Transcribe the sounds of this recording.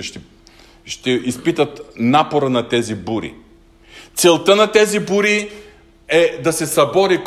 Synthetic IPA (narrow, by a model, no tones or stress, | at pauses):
ʃt̪ɛ | ʃt̪ɛispit̪ət̪napoɾənɐt̪ɛzibuɾḭ | t̪sɛlˠt̪ənɐt̪ɛzibuɾi | ɛd̪ɐsɛsɐbɔɾik